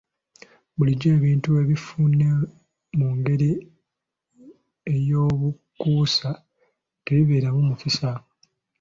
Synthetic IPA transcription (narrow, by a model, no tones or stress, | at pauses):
βuliɟe̞ːβiːntue̞βifunːe | muŋɡe̞ɾi | ejo̞ːβukuːsa | teβiβeːɾamumufisa